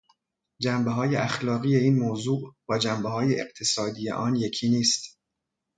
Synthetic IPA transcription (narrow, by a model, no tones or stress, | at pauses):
d͡ʒæmbeɦɒːjeʔæxlɒːɣijeiːnmoːzuːʔbɒːd͡ʒæmbehɒːjeʔeqt̪ʰesɒːd̪ijḛʔɒːnje̞cʰiːniːst̪